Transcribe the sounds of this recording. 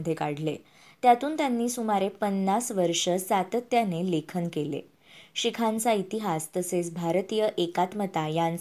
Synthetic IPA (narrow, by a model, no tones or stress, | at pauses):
əd̪ʱːjekaɽlḛ | t̪jat̪uːnt̪janːiːsumaɾepənːasʋəɾʂəsat̪ət̪janelekʰənkelḛ | ɕikʰãnt͡sait̪iɦast̪əset͡sbʱaɾt̪iːjəʔekat̪mət̪ajãn